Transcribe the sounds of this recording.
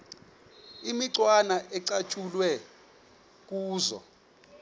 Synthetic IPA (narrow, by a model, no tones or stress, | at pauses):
imiǀwanaʔɛǀat͡ʃʼulwɛ | k̬ʼuːzɔ̰